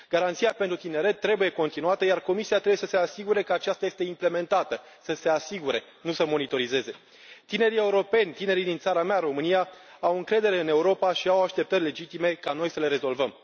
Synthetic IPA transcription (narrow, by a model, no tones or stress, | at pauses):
ɡ̥aɾant̪siape̞nt̪ɾut̪ine̞ɾe̞t̪ːɾe̞buje̞ko̞nt̪inuat̪əjarko̞misiat̪ɾeujesəse̞asiɡuɾe̞kəat͡ʃast̪aje̞st̪e̞imple̞me̞nt̪at̪ə | səse̞asiɡuɾe̞ | nusəmo̞nit̪o̞ɾize̞ze̞ | t̪ine̞ɾie̞uɾo̞pe̞nʲt̪ine̞ɾid̪int̪saɾameaɾo̞mɨnijaawɨŋkɾe̞d̪e̞ɾe̞ɨne̞uɾo̞paʃiawaʃt̪e̞p̚t̪ərʲle̞d͡ʒit̪ime̞kano̞jsəleɾe̞zo̞lvəm